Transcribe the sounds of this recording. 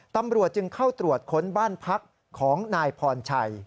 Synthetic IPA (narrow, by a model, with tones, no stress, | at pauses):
t̪a˧mɾu˨˩ət̪̚t͡ɕɯ˧ŋkʰa˥˩wt̪ɾu˨˩ət̪̚kʰo˦˥nbaː˥˩npʰa˦˥k̚ʰː | ɔː˩˦ŋnaː˧jpʰɔː˧nt͡ɕʰa˧j